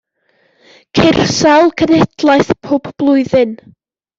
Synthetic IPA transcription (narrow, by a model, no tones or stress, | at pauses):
kʰɪrsalˠkʰənɛdlˠajθpʰoːpb̥lˠʊɨðɨn